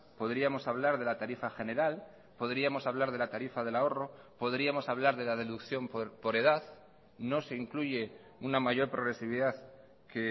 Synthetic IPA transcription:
po̞ðɾiamo̞saβlaɾðe̞lat̪aɾifaxe̞ne̞ɾal | po̞ðɾiamo̞saβlaɾð̞e̞lat̪aɾifaðe̞lao̞ro̞po̞ðɾiamo̞saβ̞laɾðe̞laðe̞ðukθjo̞mpoɾpo̞ɾe̞ð̞að | no̞se̞iŋkluʝe̞ | unamaʝo̞ɾpɾo̞ɣ̞ɾe̞siβiðað | ke

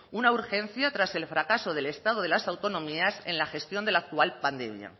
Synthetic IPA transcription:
unauɾxẽ̞n̟θjat̪ɾase̞lfɾakaso̞ð̞e̞le̞st̪að̞oð̞e̞lasawt̪o̞nõ̞miasẽ̞̰nlaxe̞st̪jo̞nd̪elaːk̚t̪ualpand̪e̞̰mja̰

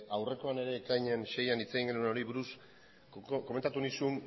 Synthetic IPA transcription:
awre̞ko̞ane̞ɾe̞ːkajɲenʃe̞janit͡se̞ɣiŋɡe̞nueno̞ɾiβuɾus | ko̞met̪at̪unisun

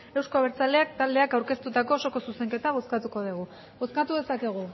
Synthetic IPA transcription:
e̞wsko̞aβeɾt͡sald̪e̞ak̚t̪ald̪e̞akawɾke̞st̪ut̪ako̞ːso̞ko̞suse̞ŋke̞t̪aɣ̞o̞skat̪uko̞ð̞eɣ̞u | ɣo̞skat̪uðe̞sake̞ɣ̞u

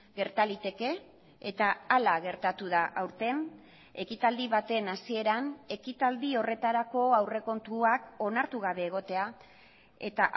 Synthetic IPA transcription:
ɡe̞ɾt̪alit̪e̞ke̞ː | t̪aːlaɣe̞ɾt̪at̪uðaʔawɾt̪e̞n | e̞kit̪ald̪iβat̪e̞nasie̞ɾane̞kit̪ald̪io̞re̞t̪aɾako̞awre̞ko̞nt̪uako̞naɾt̪uɣaβ̞e̞ːɣ̞o̞t̪e̞a | e̞̰t̪aʔ

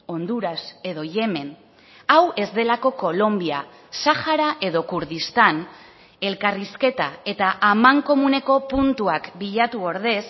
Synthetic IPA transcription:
o̞nd̪uɾase̞ðo̞ʝe̞me̞n | awe̞zd̪e̞lako̞ko̞lo̞mbia | saxaɾaʔe̞ðo̞kuɾðist̪an | e̞lkariske̞t̪ae̞t̪aʔamaŋko̞mune̞ko̞punt̪uakbiʎat̪uo̞ɾð̞e̞s

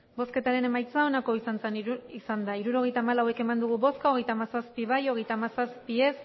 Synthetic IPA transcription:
bo̞ske̞t̪aɾe̞ne̞majt͡sao̞nako̞isant͡senisand̪aiɾuɾo̞ɣe̞jt̪aːmalawe̞ke̞mand̪uɣ̞uβo̞skao̞ɣ̞e̞jt̪aːmasaspiβajo̞ɣe̞jt̪aːmasaspie̞s

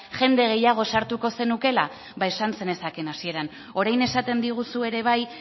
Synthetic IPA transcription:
ʝe̞nd̪e̞ɣ̞e̞jaɣ̞o̞saɾt̪uko̞se̞nuke̞la | βae̞sanse̞ne̞sake̞nasie̞ɾan | o̞ɾajne̞sat̪e̞nd̪iɣ̞usue̞ɾe̞β̞aj

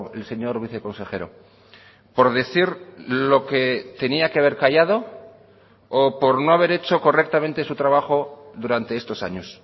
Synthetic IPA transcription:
else̞ɲo̞ɾβiθeko̞nse̞xe̞ɾo̞̰ | po̞ɾðe̞θiɾlo̞ket̪e̞niakeaβ̞e̞ɾkaʝað̞o̞ | po̞ɾno̞aβ̞e̞ɾe̞t͡ʃo̞ko̞re̞k̚t̪amẽnt̪e̞sut̪ɾaβaxo̞ðuɾant̪eest̪o̞sa̰ɲos

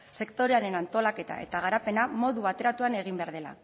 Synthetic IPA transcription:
se̞kt̪o̞ɾe̞aɾe̞nant̪o̞lake̞t̪a̰e̞̰t̪aɣ̞aɾape̞namo̞ðuβat̪e̞ɾat̪uane̞ɣ̞imbeaɾðe̞la̰

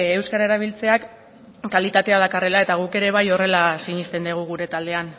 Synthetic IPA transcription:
ewskaɾaeɾaβ̞ilt͡se̞akː | alit̪at̪e̞að̞akare̞lae̞t̪aɣ̞uke̞ɾe̞β̞ajo̞re̞lasiɲist̪e̞nd̪eɣ̞uɣ̞uɾe̞t̪ald̪e̞an

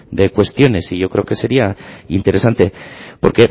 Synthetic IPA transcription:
d̪e̞kwe̞st̪jo̞ne̞siʝo̞kɾeo̞ke̞se̞ɾiaint̪e̞ɾe̞sant̪e̞po̞ɾke̞

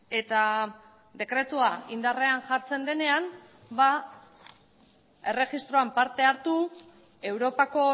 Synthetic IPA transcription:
e̞t̪a | d̪e̞kɾe̞t̪uaind̪are̞anʝaɾt͡se̞nd̪e̞ne̞am | ba | e̞reɣist̪ɾo̞ampaɾt̪e̞aɾt̪u | e̞wɾo̞pako̞

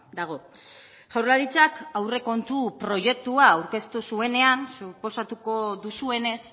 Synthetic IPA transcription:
d̪aɣ̞o̞ | ʝawɾlaɾit͡sakawre̞ko̞nt̪upɾo̞ʝe̞k̚t̪uaːwɾke̞st̪usue̞ne̞ansupo̞sat̪uko̞ðusue̞ne̞s

